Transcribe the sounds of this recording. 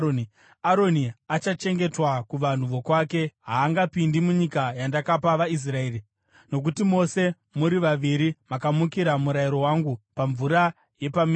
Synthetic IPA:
aɾo̞niat͡ʃat͡ʃe̞ŋɡe̞twakuʋan̤uʋo̞kwaːke̞ɦaːŋɡapindimuɲikajandakapaʋais̬rae̞ːri | no̞k̬utimo̞se̞ | muɾiʋaʋiɾimakamukiɾamuɾaiɾo̞waŋɡupaɱvuɾa | je̞pamː

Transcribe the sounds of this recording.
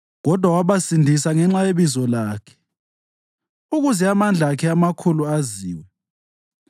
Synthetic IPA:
ɣɔd̥ʱwawaβasindʱisaŋɛŋ͡ǁajeβizɔlaːkʰɛ̥ | uɣuzɛamand͡ɮʱakʰɛamakʰuluaziːwɛ

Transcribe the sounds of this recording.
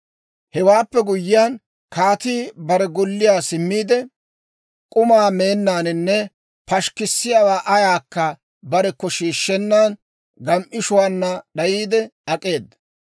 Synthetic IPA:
hɛwaːpːɛɡʊjːɪjaːn | kaːt̪iːbɐɾɛɡɔlːɪjaːsɪmːiːd̪ɛ | kʼʊmaːme̞ːnːaːnɪnːɛ | pɐʃkɪsːɪjaːwaːʔɐjaːkːɐ | bɐɾɛkːɔʃiːʃːɛnːaːn | ɡɐmʔɪʃʊwaːnːɐɗɐjiːd̪ɛɐkʼe̞ːd̪ːɐ

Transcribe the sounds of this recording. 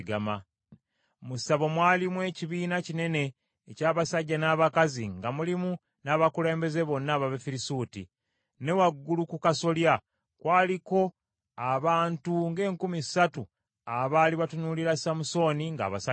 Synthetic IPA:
ɡama | musaβo̞mwaːlimwe̞ːciβiːnacine̞ne̞ː | caːβasaɟːanaːβakaziŋɡamulimu | naːβakule̞ːmbe̞ze̞βo̞nːaβaβefiɾisuːtḭ | ne̞waɡːulukukaso̞lja | kwaːliko̞ | aβaːntuŋɡe̞ːŋkumisatu | aβaːliβatunuːliɾasamuso̞ːniŋɡa̰ːβa̰sa

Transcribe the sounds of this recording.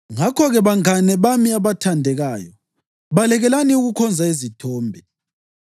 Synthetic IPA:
ŋakʰɔɣɛβaŋanɛβamiaβatʰandʱɛɣaːjɔ | βalɛɣɛlaniuɣukʰɔnd͡zʱaizitʰɔːmbʱɛ

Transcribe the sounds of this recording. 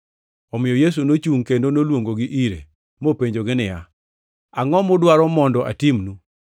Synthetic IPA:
ɔmɪjɔjes̬unot͡ʃuŋkendonolwoŋɡoɡɪʔiɾe | mopeɲd͡ʒoɡɪnɪja | aŋɔmʊdwaɾɔmɔndɔʔa̰timnu

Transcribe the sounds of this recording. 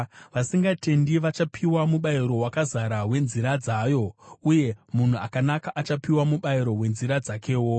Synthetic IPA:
ʋasiŋɡate̞ndiʋat͡ʃapʰiwamuɓaiɾo̞ɦwakazaɾawe̞nziɾad͡zajo̞uje̞mun̤uakanakaʔat͡ʃapiwamuɓaiɾo̞we̞nziɾad͡zakʰe̞ːwo

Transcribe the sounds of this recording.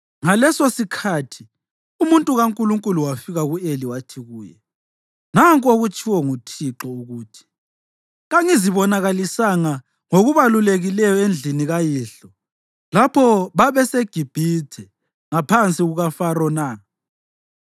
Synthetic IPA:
ŋalɛsosikʰatʰi | umuntʼuɣaŋkʼuluŋkʼuluwafiɣaɣueliwatʰiɣuːjɛ̰ | naŋkʼoɣut͡ʃʰʼiwɔŋutʰiǁɔuɣuːtʰi̥ | ɣaŋiziβɔnaɣalisaŋa | ŋoɣuβaluleɣilɛjɔend͡ɮʱiniɣajiːɬɔ | lapʰɔβaβɛseɡ̥ʱib̥ʱitʰɛ | ŋapʰant͡sʼiɣuɣafarɔnaː

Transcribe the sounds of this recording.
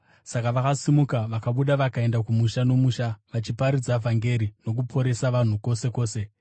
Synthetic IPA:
sakaʋakasimukaʋakaɓuɗaʋakae̞ndakumuʃano̞muʃaʋat͡ʃipaɾid͡zavʱaŋɡe̞ɾino̞k̬upʰo̞ɾe̞saʋan̤uko̞se̞ko̞ːse̞

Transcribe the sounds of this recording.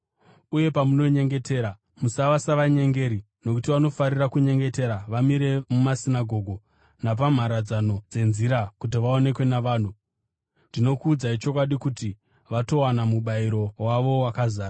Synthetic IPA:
uje̞pamuno̞ɲe̞ŋɡe̞tʰe̞ːɾa | musaʋasaʋaɲe̞ŋɡe̞ɾi | no̞kutiʋano̞faɾirakuɲe̞ŋɡe̞te̞ɾaʋamiɾe̞mumasinaɡʱo̞ɡʱo̞ | nap̬am̤aɾad͡zano̞d͡ze̞nziɾakut̬iʋao̞ne̞kwe̞naʋaːn̤u | ndino̞kuːd͡zait͡ʃo̞kwaɗikuti | ʋato̞wanamuɓaiɾo̞waʋo̞wakazaːra

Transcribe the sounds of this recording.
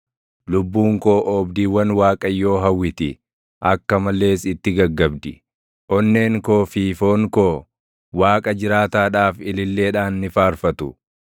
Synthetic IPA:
lʊbːuːŋkoːʔɔbd̪iːwɐnwaːkʼɐjːo̞ːɦɐwːɪt̪ɪ | ʔɐkːɐmɐlːe̞ːsɪt̪ːɪɡɐɡːɐbd̪ɪ | ʔɔnːe̞ːŋko̞ːfiːfo̞ːŋkoː | waːkʼɐd͡ʒɪɾaːt̪aːᶑaːfɪlɪlːe̞ːᶑaːnːɪfaːɾfɐt̪ʊ

